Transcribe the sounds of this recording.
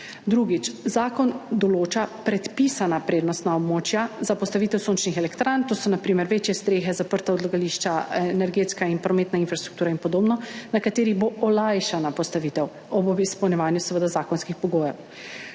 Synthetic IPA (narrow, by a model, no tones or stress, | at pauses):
d̪ɾuɡit͡ʃzaːkɔnd̪ɔloːt͡ʃapɾɛt̪piːsanapɾeːd̪nɔst̪naɔbmoːt͡ʃjazapɔst̪aʋiːt̪ɛwsont͡ʃnixɛlɛkt̪ɾant̪oːsɔnapɾiːmɛɾʋeːt͡ʃjɛst̪ɾeːxɛzapəɾt̪aɔd̪laɡaliʃt͡ʃaɛnɛɾɡeːt̪skainpɾɔmeːt̪nainfɾast̪ɾukt̪uːɾainpɔd̪oːbnɔnakat̪eːɾiɣboʔɔlajʃanapɔst̪aʋiːt̪ɛw | ɔbbispɐwnjɛʋaːnjusɛʋəd̪azaːkɔnskixpɔɡoːjɛw